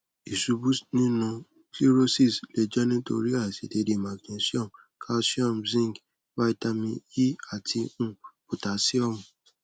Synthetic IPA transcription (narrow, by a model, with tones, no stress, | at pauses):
i˨su˨˧bu˦snĩ˦nũ˧ | ki˦ɾo˦si˦˨sle˧d͡ʒɛ˦nĩ˦to̰˧ɾi˦a˦˨si˨˦de˧de˨˦˨mã˨ɡne˨˧˦si˦ɔ̃˦˨m | kʰa˦si˦ɔ̃˦˨mzĩ˦˨ɡ | wa˦i˦ta˧mĩ˧ji˦a˦˨ti˧ũ˦˨ | u˨ta˨˦si˦ɔ˦˨mũ˨